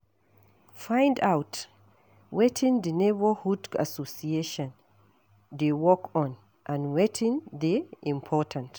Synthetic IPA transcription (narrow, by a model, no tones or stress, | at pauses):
fãj̃ndawt | wetʰɪ̃ŋdənebəhuda̰sosieʃɔ̃n | dewɔkɔ̃n | ʔãnwetʰɪ̃ŋd̪eʔĩmpʰɔtʰãnt